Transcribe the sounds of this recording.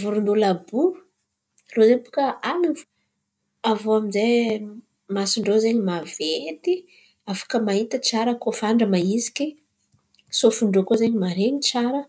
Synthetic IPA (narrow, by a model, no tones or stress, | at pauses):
vuɾund̪ulabu | lozeɲpu̥kəanivu̥ | avoaminzej | masiɳɖ͡ʐozeɲimavet̪i | afḁkəmaɦit̪ət͡saɾəkofaɳɖ͡ʐəmaizi̥ki | sofuɳɖ͡ʐokozeɲimaɾeɲit͡saɾə